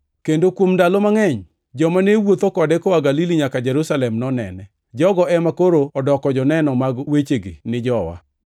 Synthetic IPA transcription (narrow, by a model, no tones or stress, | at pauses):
kendokwomndalomaŋɛɲ | d͡ʒɔmanewot̪okɔdɛkɔwaɡaliliɲakad͡ʒɛɾusalɛmnɔnɛ̰nɛ | d͡ʒɔɡɔɛmakoɾoɔdɔkɔd͡ʒɔnɛnɔmaɡwet͡ʃeɡḭnɪd͡ʒɔwa̰